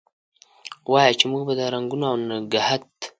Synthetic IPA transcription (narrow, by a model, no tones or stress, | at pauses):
wajat͡ʃemuɡbad̪aɾaŋɡunawnaɡahat̪